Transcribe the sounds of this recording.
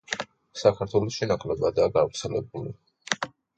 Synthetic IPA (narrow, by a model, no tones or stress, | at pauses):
sakʰaɾt̪ʰwɛlˠɔʃinakʼlɛbad̪aːɡavɾt̪sʰɛlɛbuli